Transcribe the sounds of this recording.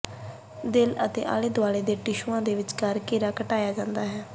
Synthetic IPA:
d̪ɪlət̪ḛːʔa̰ːleːd̪ʊaːɽeːd̪eːʈɪʃuːãːd̪eːʋɪt͡ʃkəɾkeːɾaːkəʈaːjaːd͡ʒãːnd̪aːɦɛː

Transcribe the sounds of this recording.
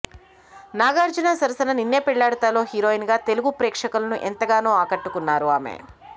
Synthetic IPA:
naːɡaːɾd͡ʒunaːsɐɾɐsɐnɐninːeːpiɭːaːɽɐt̪aːlo̞ːɦiɾoːinɡaːt̪e̞luɡupɾɛːkʂɐkulɐnuʔɛnt̪ɐɡaːnoːaːkɐʈːukunːaːɾuaːmḛ

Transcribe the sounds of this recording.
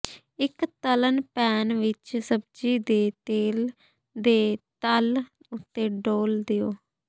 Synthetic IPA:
ɪkt̪ələnpɛːnʋɪt͡ʃsəb̚d͡ʒiːd̪eːt̪eːl | d̪eːt̪əl | ʊt̪ːeːɖoːld̪ɪjoː

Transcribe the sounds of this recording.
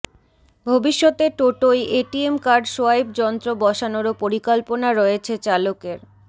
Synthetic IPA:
bʱobiʃːɔt̪eʈoʈojeʈiemkaɾɖʃoaib̚d͡ʑɔnt̪ɾobɔʃanoɾopoɾikɔlponaɾɔet͡ɕʰet͡ɕalokeɾ

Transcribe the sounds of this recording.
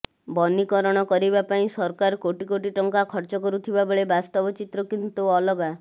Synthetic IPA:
bɔnikɔɾɔɽ̃ɔkɔɾibapaĩsɔɾkaɾkoʈikoʈiʈɔŋkakʰɔɾt͡ʃɔkɔɾut̪ʰibaboɭebast̪ɔbɔt͡ʃit̪ɾɔkint̪uɔlɔɡa

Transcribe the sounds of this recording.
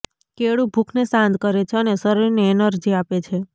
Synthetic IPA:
keɭubʱukʰnesãnd̪kəɾet͡ʃʰeənesəɾojneːnəɾd͡ʒiapet͡ʃʰe

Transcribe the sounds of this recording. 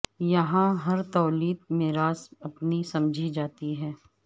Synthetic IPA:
jɐɦãɦɐɾt̪ɔːliːd̪̚mɪːɾaːsɐpnisɐmd͡ʒʱid͡ʒaːt̪iɦɛː

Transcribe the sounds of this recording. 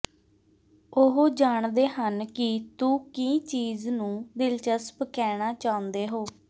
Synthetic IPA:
ʊɦoːd͡ʒaːɳd̪eːɦənkɪt̪uːkĩːt͡ʃiːznũːd̪ɪlt͡ʃəspkɛːɽ̃aːt͡ʃaːʊ̃nd̪eːɦoː

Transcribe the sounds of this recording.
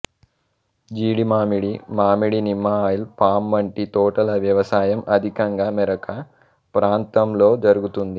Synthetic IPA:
d͡ʒiːɽimaːmiɽimaːmiɽinimːɐːjilpaːmːɐɳʈit̪ɔːʈɐlɐʋjɐʋɐsaːjɐmɐd̪ʱikɐŋɡaːmɛɾɐkɐ | pɾaːnt̪ɐmlo̞ːd͡ʒɐɾuɡut̪und̪i

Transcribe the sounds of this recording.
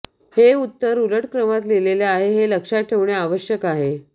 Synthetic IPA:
heut̪ːəɾuləʈkɾəmat̪leleleaɦeɦeləkʂaʈʰeʋɳjeaʋəɕjəkaɦe

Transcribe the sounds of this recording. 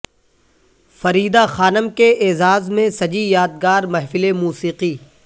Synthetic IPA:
fɐɾiːd̪axaːnəmkeʔeːzaːzmẽsɐd͡ʒijaːd̪̚ɡaːɾmɐɦfɪlemuːsiːqiː

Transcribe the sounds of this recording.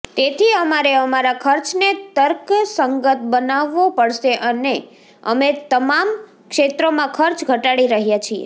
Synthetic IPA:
t̪et̪ʰiəmaɾeəmaɾakʰəɾt͡ʃnet̪əɾksəŋɡət̪̚ʰbənaʋːopəɽʃeʔəne | ə̰met̪əmam | kʃet̪ɾomãkʰəɾt͡ʃɡʱəʈaɽiɾəɦjat͡ʃʰiḛ

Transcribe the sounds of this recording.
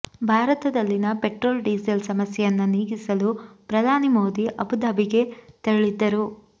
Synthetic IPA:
bʱaːɾɐt̪ɐd̪ɐlːinɐpeʈɾoːlɖiːselsɐmɐsjɛjɐnːuniːɡisɐlupɾɐd̪ʱaːnimo̞ːd̪iʔɐbud̪aːbiɡe̞t̪ɐɾɐɭid̪ːɐɾu

